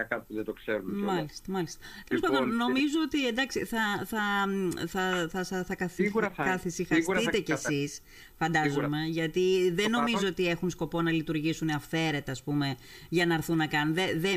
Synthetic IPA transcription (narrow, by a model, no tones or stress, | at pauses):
ɐkɐt̪̚uðed̪okseɾunmɐlist̪ɐmɐlist̪ɐ̥t̪elospɐðonno̞mizoot̪iend̪ɐksḭθɐθɐθɐθɐsɐθɐkɐθikɐθisixɐit̪e̞cesis | fɐnd̪ɐzome̞ʝɐt̪iðeno̞mizoot̪ie̞xunsko̞po̞nɐlit̪uɾʝisuneɐfe̞ɾe̞t̪ɐːspume̞ | ʝɐnɐɾθunːɐkɐnunðeðe